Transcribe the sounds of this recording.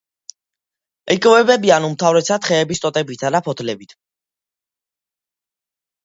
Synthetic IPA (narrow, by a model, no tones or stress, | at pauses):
ɛkʼvɛbɛbianumt̪ʰavɾɛsat̪χɛːbist̪ʼɔt̪ʼɛbit̪ʰad̪apʰɔt̪ʰlɛbit̪ʰ